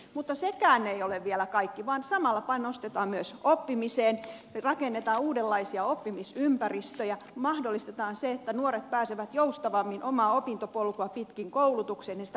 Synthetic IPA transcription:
mut̪ːɑsekæːneioleʋʋielækɑikːiʋɑːnsɑmɑlːɑpɑnost̪et̪ɑːmmyøsopːimiseːnrɑkenːet̪ɑːuːdelːɑisiɑopːimisympærist̪øjæ | mɑhdolːˑist̪et̪ɑːnseet̪ːænuoɾet̪̚pæːseʋæt̪joust̪ɑʋɑmːinʔomɑːopint̪opolkoɑpit̪kiŋkoulut̪ukseːnensit̪æ

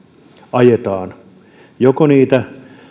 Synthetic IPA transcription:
ɑjet̪ɑːn | jokoniːt̪æ

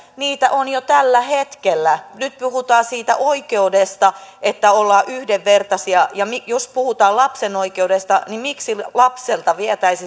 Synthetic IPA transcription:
niːt̪æʔonjot̪ælːæhet̪kelːænyt̪̚puhut̪ɑːsiːt̪æ̰ʔoikeudest̪ɑʔet̪ːæolːɑːʔyhdeʋːert̪ɑsiɑjɑmijospuhut̪ɑːlɑpsenoikeudest̪ɑ̰nimiksilɑpselt̪ɑʋiæt̪æisi

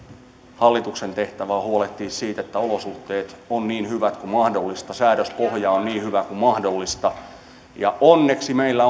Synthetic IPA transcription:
hɑlːit̪uksent̪eht̪æʋæːhuolet̪ːiːssiːt̪et̪ːæolosuht̪ːˑeːt̪onniːnhyʋæt̪kumɑhdolːist̪ɑsæːɾøspohjɑonniːhyʋækumɑhdolːist̪ɑ | jɑʔonːeksimeilːæ

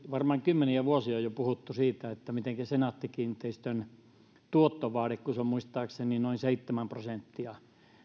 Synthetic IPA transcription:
ʋɑrmɑːŋkymːeniæʋuosiojjopuhut̪ːusiːt̪æet̪ːæmit̪eŋkæsenɑt̪ːikiːnt̪eist̪øn | t̪uot̪ːoʋɑːɾekkuseommuist̪ɑːkseninoinseit̪ːemæmprosent̪ːiɑ

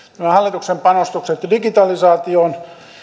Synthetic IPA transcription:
næmæhɑlːit̪uksempɑnost̪ukset̪diɡit̪ɑlisɑːt̪ioːn

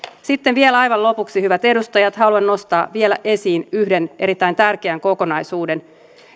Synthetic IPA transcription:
sit̪ːe̞nʋielɑjʋɑnlo̞puksihyʋæt̪e̞dust̪ɑjɑt̪hɑluɑnːo̞st̪ɑːʋielæ̰ʔe̞siːnyhde̞nʔe̞ɾit̪ːæjnt̪ærk̟eæŋko̞ko̞nɑjsuːde̞n

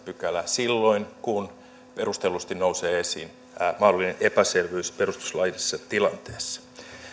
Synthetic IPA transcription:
pykælæsilːo̞inkun | pe̞rust̪elust̪innouseːesḭːn | mɑhdolːˑineʔepæserʋeyspe̞rust̪u̥slɑjisisːɑt̪ilɑnt̪eːsːɑ̥

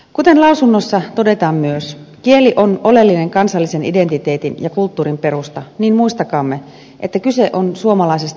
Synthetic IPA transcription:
kut̪e̞nlɑusunːosːɑt̪o̞de̞t̪ɑːmmyøskieliʔo̞no̞le̞lːine̞ŋkɑnsɑlːise̞nʔide̞nt̪it̪e̞ːt̪injɑkult̪ːuːɾimpe̞ɾust̪ɑniːnmuist̪ɑkɑːmːe | ʔet̪ːækyse̞ʔonsuomɑlɑisest̪

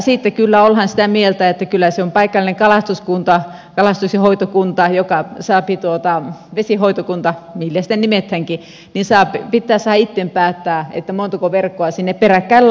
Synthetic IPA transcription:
siˑt̪ːekylːæolhɑnsit̪æmielt̪æet̪ːækylːæseompɑikːɑlineŋkɑlɑst̪uskunt̪ɑ | kɑlɑst̪ukshoit̪okunt̪ɑjokɑsɑːpit̪uot̪ɑʋesihoit̪okunt̪ɑmilːæst̪enimet̪hæŋki | ninsɑːpipit̪ːæːssɑhɑit̪ːempæːt̪ːæːḛt̪ːæmont̪ɑkoʋerkːoɑsinːepperækːæil

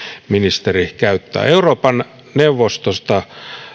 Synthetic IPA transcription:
minist̪erihkæyt̪ːæ̰ːeuroːpɑn | neuʋːost̪ost̪ɑ

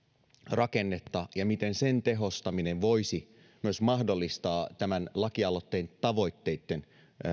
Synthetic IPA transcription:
rɑkenːet̪ːɑjɑmit̪e̞nsent̪e̞ɦo̞st̪ɑmineʋʋo̞isi | myøsmɑɦdolːist̪ɑːt̪æmænlɑkiɑlot̪ːe̞ːnt̪ɑʋo̞it̪ːe̞it̪ːe̞n

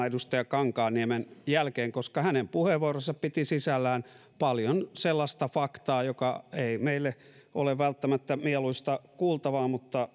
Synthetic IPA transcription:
idust̪ɑjɑkɑŋkɑːniemenjælkeːŋkoskɑhænempuheʋʋuorosːɑppit̪isisælːæːn | pɑljonselːɑst̪ɑfɑkt̪ɑːjokɑeimeilːeʔoleʋʋælt̪ːæmæt̪ːæmieluist̪ɑkuːlt̪ɑʋɑːmut̪ːɑ

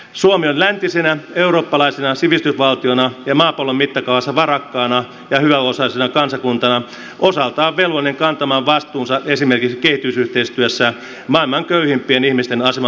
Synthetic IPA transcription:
suomionlænt̪isenæeuroːpːɑlɑisenɑsiʋist̪ysʋɑlt̪ionɑjɑmɑːpolommit̪ːɑkɑuʋɑsːɑʋɑrɑkːɑːnɑ | jɑhyʋæosɑlisenɑkɑnsɑkunt̪ɑnɑ | ʔosɑlt̪ɑːʋʋelʋolineŋkɑnt̪ɑmɑːʋʋɑst̪uːnsɑʔesimerkiksikehit̪ysyht̪eist̪yøsːæ | mɑːilmɑŋkøyhimpˑienihmist̪enɑsemɑ

